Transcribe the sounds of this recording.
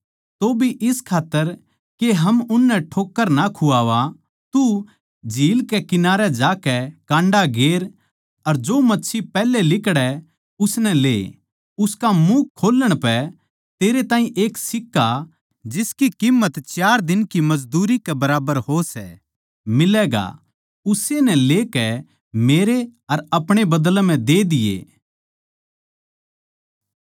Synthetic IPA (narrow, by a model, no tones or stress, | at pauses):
t̪obʱiʔɪskʰaːt̪ːəɾ | keɦɐmʊnːɛʈʰoːkːəɾnakʰuaːʋa | t̪u | d͡ʒʱiːlkɛkɪnaːɾɛd͡ʒaːkɛkãːɳɖaɡeːɾ | ɐɾd͡ʒoːmɐtːʃʰipɛːlelɪkɽɛ | ʊsnɛlḛː | ʊskamuːkʰːoːlːəɽ̃pɛ | t̪eːɾet̪ãːĩʔeːksɪkːa | d͡ʒɪskikimːət̪t͡ʃaːɾd̪ɪnkimɐd͡ʒd̪uːɾikɛbɐɾaːbəɾɦosɛ | mɪlɛːɡa̰ | ʊsenɛ̃leːkɛ | meːɾeɐɾɐpɽ̃ebɐd̪lm̤ɛ̃d̪eːd̪ɪjḛ